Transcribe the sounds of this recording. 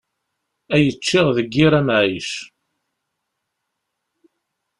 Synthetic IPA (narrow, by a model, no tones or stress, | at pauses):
æjət͡ʃːɪʁðəɡːɪɾæmʕiʃ